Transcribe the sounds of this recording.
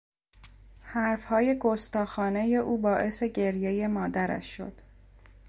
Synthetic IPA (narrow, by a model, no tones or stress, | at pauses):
hæɾfhɒːje̞ɡost̪ɒːxɒːne̞jeʔuːbɒːʔe̞seɟe̞ɾje̞je̞mɒːd̪æɾæ̰ʃːo̞̰d̪̥